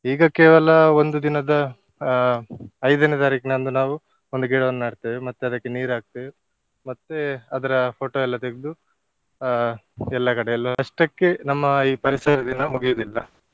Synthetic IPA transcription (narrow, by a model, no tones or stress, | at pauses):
iːɡɐkeːʋɐlɐo̞nd̪ud̪inɐd̪ɐ | ɐjd̪ɐnet̪aɾiːkinɐnd̪unaːʋu | o̞nd̪uɡiːɽɐʋɐnːɐmaːɽt̪eʋemɐt̪ːeɐd̪ɐkːe̞niːɾaːɡ̚t̪eʋe | mɐt̪ːeɐd̪ɐɾɐpʰo̞ːʈoːɛlːɐt̪eɡed̪u | ɛlːɐkɐɽeɛlːɐɐʂʈɐkːenɐmːɐiːpɐɾisɐɾɐd̪inɐmuɡijod̪ilːɐ